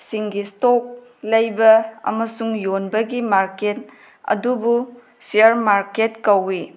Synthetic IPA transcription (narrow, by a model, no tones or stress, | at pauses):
siŋɡistok̚ | lɐjbɐɐ̰mɐsuŋjonbɐɡimaɾket̚ | ɐ̰dubu | siɐɾmaɾketkɐwi